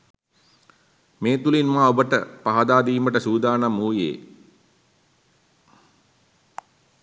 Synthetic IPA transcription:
meːt̪ulinmaːobəʈəpaɦad̪aːd̪iːməʈəsuːd̪aːnamuːjḛː

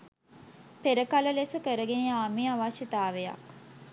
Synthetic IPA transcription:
peɾəkaləlesəkəɾəɡeneaːmiaʋaʃət̪aːʋeja̰k̚

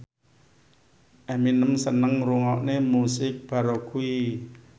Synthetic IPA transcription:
ʔɛminəmsənəŋɾuŋɔʔnemusɪk̚b̥a̤ɾokui

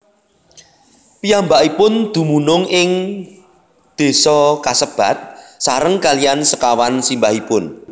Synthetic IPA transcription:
pijambaʔipʊnd̪̥ṳmunʊŋɪŋ | d̪̥e̤sɔkasəb̥a̤t̪̚saɾəŋkalijansəkawansimbahipʊn

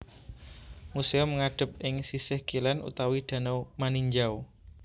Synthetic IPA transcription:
museɔmːəŋaɖ̥ə̤p̚ɪŋsisɪhkilanʔṵt̪awid̪̥a̤nowmaniɲd͡ʒaw

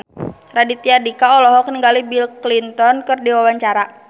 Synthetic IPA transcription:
radit̪iadikaɔlɔɦɔkniŋɡalibilklint̪ɔnkɨrdiwawaɲt͡ʃaɾa

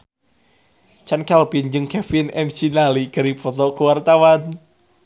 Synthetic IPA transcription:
t͡ʃankɛlpind͡ʒɨŋkɛfinɛmsinaliɡəɾipʰɔt̪ɔkuwart̪awan

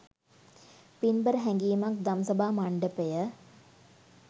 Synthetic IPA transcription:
pinbəɾəɦɛŋɡiːmak̚d̪aməsabaːmaɳɖəpejə

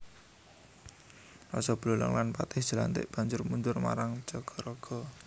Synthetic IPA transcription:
nɔsɔb̥lolə̰ŋlanpat̪ɪhd̥ʒ̥ə̤la̰nt̪ɪ̰ʔb̥a̤ɲd͡ʒʊrmund͡ʒʊrma̰ɾaŋd͡ʒɔɡ̥ɔ̤ɾɔɡ̥ɔ̤

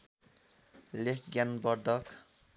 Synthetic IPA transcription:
lekɡjanbʌɾd̪ʱʌk

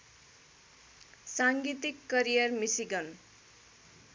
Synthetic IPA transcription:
saŋɡit̪ikːʌɾijʌrmisiɡʌn

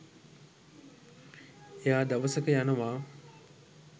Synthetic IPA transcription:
ejaːd̪aʋəsəkəjanəʋaː

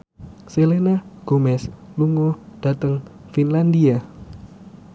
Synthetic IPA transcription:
selenaɡ̥omɛsluŋod̥a̤t̪əŋfinland̪ia

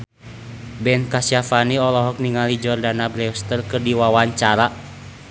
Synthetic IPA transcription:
bɛnkasiafaniɔlɔɦɔk̚niŋalid͡ʒɔrdanabɾɛɔst̪ərkɨrdiwawaɲt͡ʃaɾa

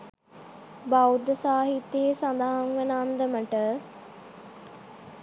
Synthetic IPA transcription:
bawd̪əsaːɦit̪ːjeesand̪aɦaŋʋenaːnd̪əməʈə

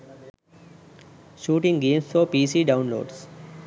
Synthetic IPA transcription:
ʃuːʈɪ̃ŋɡẽːmsfɔːpiːsiːɖãʊ̃nlo̰ːɖs

